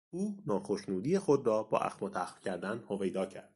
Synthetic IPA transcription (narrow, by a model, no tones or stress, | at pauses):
uːnɒːxoʃnuːd̪iːjexod̪rɒːbɒ̰ːʔæ̰xmɒt̪ʰæxfcʰæɾd̪ænhove̞jd̪ɒːcʰæɾd̪̥